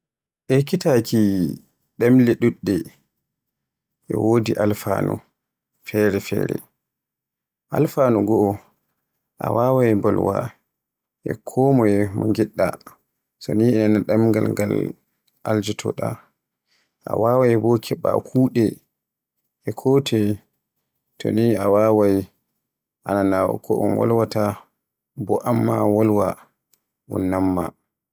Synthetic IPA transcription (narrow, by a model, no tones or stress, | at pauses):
ʔɛkitakʰi | ɗɛmlɛɗuɗːɛ | ʔɛwodiʔalfanu | fɛɾɛfɛ̰ːɾɛ̰ | ʔalfaːnuɡɔʔɔ | ʔa̰wawaɛmbɔlwa | ʔɛ̰kʰɔmɔɛmɔŋɡiɗːa̰ | sɔniɛanaɗamŋɡalŋɡal | ʔald͡ʒitʰɔ̰ɗa | ʔawawajbɔkʰɛɓa̰kʰuːɗɛ | ʔɛkʰotʰɛ | tɔ̰niawawaj | ʔananawɔ̰kʰɔʔɔ̰nwɔ̰lwata | bɔʔamːawɔlwa | ʔṵnːamːa̰